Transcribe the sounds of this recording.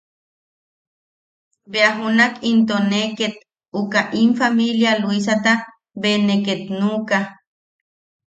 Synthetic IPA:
beaɦunakint̪oneket̪̚ | ukaʔinfamiljaluis̬at̪a | beneket̪nuːka

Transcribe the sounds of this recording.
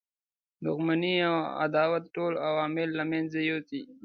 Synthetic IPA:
d̪ʊxməniawɐ̰d̪aːwət̪̚ʈoːlawaːmɪlːɐmẽːnzejoːt̪iː

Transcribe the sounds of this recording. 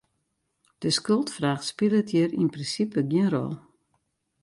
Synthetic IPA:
d̥əskølˠtfraːxspilˠətʰjərinprinsipəɡiənrɔ̰lˠ

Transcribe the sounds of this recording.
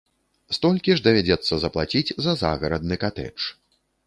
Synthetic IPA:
st̪ɔlʲkʲiʐd̪ɐvʲad͡zʲɛt̪sːɐzɐplˠat͡sʲid͡zʲzɐza̰ɣɐɾɐd̪̚nɨkat̪ɛ̰t͡ʂ

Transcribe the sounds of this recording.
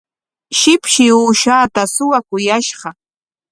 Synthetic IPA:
ʃɪpʃɪuːʃaːt̪asʊwakʊjaʃɢɑ

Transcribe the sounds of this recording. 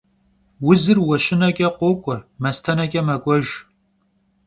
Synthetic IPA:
wʊzɨrwɐʃɪnɐkʲʼɐqʷoːkʷʼɔrmɐstʰɐnɐkʲʼɐmɐkʷʼɔʒ

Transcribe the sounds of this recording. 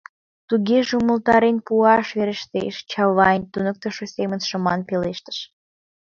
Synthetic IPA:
t̪uɣeʒuməlt̪ɑɾenpuɑʃβeɾəʃt̪ḛʃt͡ɕɑβɑjnʲt̪unək̚t̪əʃosemənʃəmɑnpeleʃt̪ə̥ʃ

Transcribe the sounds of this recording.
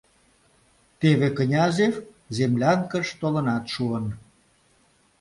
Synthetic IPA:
t̪eβekənʲɑzʲef | zemlʲɑŋkəʃt̪olə̆nɑt̪ʃuən

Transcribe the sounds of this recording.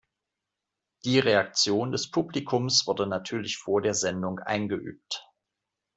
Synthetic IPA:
d̥iːʁeak̚t͡sjoːndɛspʰublikʰʊmsv̥ʊɐdənatʰyːɐlɪçfoːɐdeːɐzɛndʊŋʔa̰ɪnɡəʔy̰ːp̚t

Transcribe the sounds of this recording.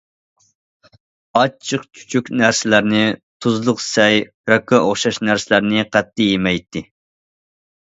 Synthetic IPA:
ɑt͡ʃʰːəqt͡ʃʰy̥t͡ʃʰykʲnæɾsɪlæɾnɪt̪ʰuzlˠʊqsɛj | ɾɛkːɑʔoχʃɑʃnæɾsɪlæɾnɪqʰɛt̪ːijemɛjt̪ʰːɪ

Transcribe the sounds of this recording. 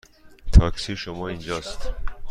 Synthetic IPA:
t̪ʰɒːksiːʃomɒːind͡ʒɒːst̪

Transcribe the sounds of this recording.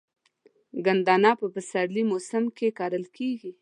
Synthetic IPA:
ɡand̪ɑnɑpəpəsaɾlimosɪmkekɑɾəlkʰeɡi

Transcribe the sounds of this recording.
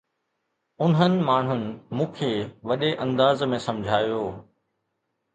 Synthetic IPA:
ʊnɦənɪ̆maːɳ̤ʊnɪ̆mũːkʰeːʋɐɗeʔɐ̃nd̪aːzmẽsɐmd͡ʑʱaːjoː

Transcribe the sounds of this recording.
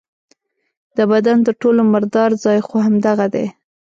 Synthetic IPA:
d̪̥əbad̪ant̪əɾʈolomɪɾd̪ɑɾzɑjxoɦamd̪aɣad̪ḛ

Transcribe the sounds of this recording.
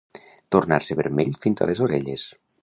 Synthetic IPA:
t̪oɾnaɾseβḛɾmeʎfinza̰lezoɾeʎes

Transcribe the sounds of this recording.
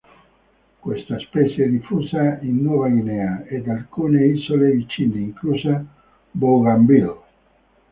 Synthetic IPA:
kwest̪aspɛsjed̪ifuːsainːwɔvalineaed̪alkuːneisolevit͡ʃineiŋkluːsa | boɡambi

